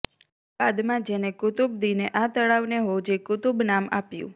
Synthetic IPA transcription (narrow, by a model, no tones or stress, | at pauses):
bad̪mãd͡ʒenekʊt̪ub̚d̪ineʔat̪əɭaʋneɦod͡ʒekʊt̪ubnama̰pjṵ̃